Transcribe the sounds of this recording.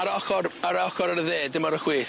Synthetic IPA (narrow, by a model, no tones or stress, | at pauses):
aɾɔxɔraɾəɔxɔɾaɾəðeːdɪmɔɾəχwɪːθ